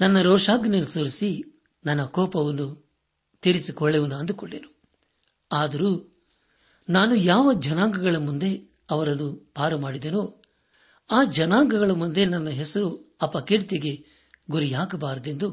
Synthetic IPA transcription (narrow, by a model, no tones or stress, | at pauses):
nɐnːɐɾɔːʂaːɡnɐlisoɾisi | nɐnːɐkɔːpɐʋɐnːu | t̪iɾisikɔɭːeʋɐnːuɐnd̪ukɔɭːḛnu | aːd̪ɐɾuː | naːnujaːʋɐd͡ʒɐnaːŋɡɐɡɐɭɐmund̪e̞ | ɐʋɐɾɐnːub̥aːɾɐmaːɽid̪enoː | aːd͡ʒɐnaːŋɡɐɡɐɭɐmund̪e̞nɐnːɐɦesɐɾuɐpːɐkiɽit̪eɡe̞ | ɡuɾijaːkɐbaːɾɐd̪e̞nd̪u